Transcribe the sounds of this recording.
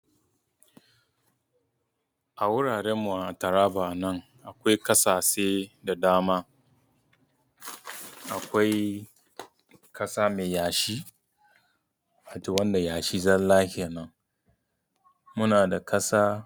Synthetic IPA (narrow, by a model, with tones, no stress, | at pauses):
ʔa˨wʊ˦ɽaː˨ɽeː˦mːu˨ʔa˨ʔa˨tɐ˨ɾaː˦baː˨ʔa˨nɐ˦ŋ | ʔa˨kʷa˦jkɐ˦saː˨seː˦da˨daː˦maː˦ | ʔa˨kʷa˦j | kʰɐ˦saː˦meː˨jaː˨ʃi˦ | a˨to˨wɐ˦nda˨jaː˨ʃiː˦zɐ˦nlaː˦hɪ˦˨ja˨nɐ˦ŋ | mʊ˦naː˨da˨kɐ˦saː˦